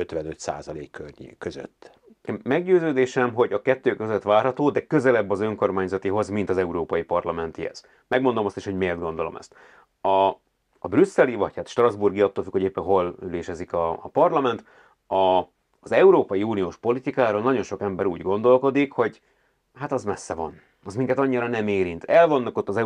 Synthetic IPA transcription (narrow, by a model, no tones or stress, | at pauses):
øt̪ʋɛnøt̪sa̰ːzɒlḛːkːørɲḛkːøzø̰t̪ː | ɛɡɟøːzøːd̪eːʃɛmɦo̞ɟɒkɛt̪ːøːkøzøt̪ʋaːrɦɒt̪oːd̪ɛkøzɛlɛbːɒzøŋko̞rmaːɲzɒt̪iɦo̞zmint̪ɒzɛuɾoːpɒjipɒrlɒmɛnt̪ḭɛ̰z̥ | mɛɡmo̞nd̪omɒst̪iʃhoɟmeːrd̪ɡo̞nd̪o̞lo̞̰mɛ̰st̪ | ɒː | brysːɛlivɒchaːt̪ʃt̪rɒzburɡiɒt̪ːoːlfykho̞ɟeːpːɛnɦo̞lyleːʃɛzikɒpɒrlɒmɛnt̪ | ɒ | zɛuɾoːpɒjiuːnijoːʃpo̞lit̪ikaːɾoːlnɒɟo̞nʃo̞kɛmbɛɾṵːɟɡo̞n̪d̪o̞lko̞d̪ikho̞ɟ | hat̪ɒzmɛsːɛvɒ̰n | ɒzmiŋkɛt̪ɒɲːiɾɒnɛmeːɾint̪ɛlvo̞nːɒko̞t̪ːɒzɛ